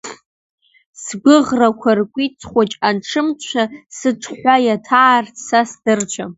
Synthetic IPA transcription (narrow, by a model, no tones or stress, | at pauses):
sɡʷʊʁrakʷʰarkʷʼit͡sʼʰχʷat͡ʃʼanʈ͡ʂʰɨmt͡ɕʷʰasɨʈ͡ʂʰħʷajatʰaːrtʰsasd̥ɨrt͡ʃʷʰam